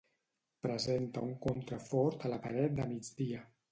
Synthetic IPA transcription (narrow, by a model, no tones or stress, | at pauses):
pɾəzent̪əuŋkont̪ɾəfɔɾt̪ələpa̰ɾɛt̪̚d̪əmid͡zd̪iə